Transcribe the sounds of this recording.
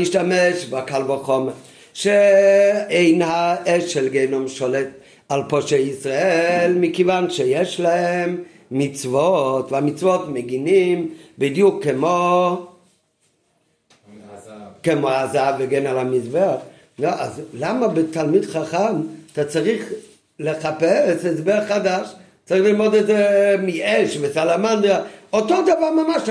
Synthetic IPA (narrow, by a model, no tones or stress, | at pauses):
iʃtamɛʃbakalˠvaχɔma | ʃe | eɪnhaɛʃɛlɡeɪnɔmʃɔlɛt | alˠpɔʃeisʁaɛlmɪkɪvanʃejɛʃlaɛmː | ɪt͡svɔtvamɪt͡svɔtmɛɡinimbɪdjukːɪmo | kɛmoazaveɡɛnalamizbɛaχ | noʔa̰zlamabɪtʰalˠmidχaχamtat͡saʁiχ | lɛχapɛsɛzbɛaχχadaʃ | t͡saʁiχlimɔdɛzɛmɪɛʃvɪsalamandʁaɔtodavaʁmamaʃ